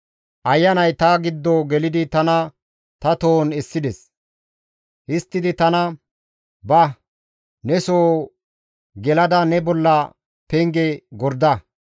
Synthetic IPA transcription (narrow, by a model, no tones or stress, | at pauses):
ʔɐjːɐnɐjt̪ɐɡɪd̪ːoɡɛlɪd̪ɪt̪ɐnɐ | t̪ɐt̪o̞ːnɛsːɪd̪ɛs | ʔɪst̪ːɪd̪ɪt̪ɐnɐ | bɐ | nɛsoː | ɡɛlɐd̪ɐnɛbɔlːɐ | pɛŋɡɛɡɔɾd̪ɐ